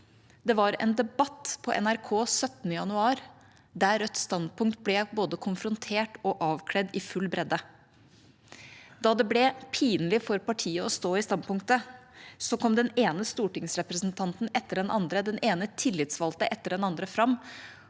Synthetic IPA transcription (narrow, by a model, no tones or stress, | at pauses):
d̪ɛʋɑɾɛ̰nd̪ɛbɑt̪ːpʰɔʔɛ̰næɾkʰoːsœt̪nəjɑnʉɑːɾ | d̪æɾœt̪ːst̪ɑnd̪̚pʊŋk̚t̪̚blɛboːd̪əkʰʊnfɾʊnt̪ʰeːʈɔʔɑːʋkʰɽɛd̪ɪfʉlbɾɛd̪ə | d̪ɑːd̪ɛblɛpʰiːnlɪfɔɾpɑʈʰiːəɔst̪oːɪst̪ɑnd̪pʊŋkt̪əsɔkʰɔmd̪ɛneːnəst̪uːʈɪŋsɾɛpɾəsnt̪ʰɑnt̪n̩ɛt̪ːəɖɛnʔɑnd̪ɾəd̪ɛneːnət̪ʰɪlːɪt̪sʋɑlt̪əʔɛt̪ːəɖɛnɑnd̪ɾəfɾɑmː